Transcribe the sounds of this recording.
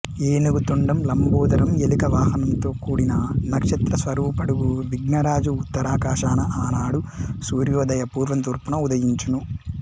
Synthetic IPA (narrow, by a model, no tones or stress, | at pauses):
eːnuɡut̪oɳɖɐmlɐmbuːd̪ɐɾɐmelikɐʋaːɦɐnɐnt̪o̞ːkuːɽinɐnɐkʂɐt̪ɾɐsʋɐɾuːpɐɽuɡuʋiɡnɐɾaːd͡ʒuːt̪ːɐɾaːkaːʂaːnɐʔaːnaːɽusuːɾjɔːd̪ɐjɐpuːɾʋɐnt̪uːɾpunɐud̪ɐjiɲt͡ʃunu